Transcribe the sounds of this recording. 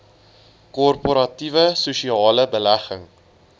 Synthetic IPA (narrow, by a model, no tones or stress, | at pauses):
kɔrpoɾɐtivəsuʃiɑːləbəlæχəŋ